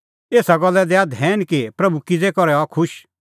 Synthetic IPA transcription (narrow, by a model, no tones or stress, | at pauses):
eːsaɡɔlːɛd̪ɛad̪ʱɛːnkipɾɐbʱukɪd͡zekɔɾɛakʰʊʃ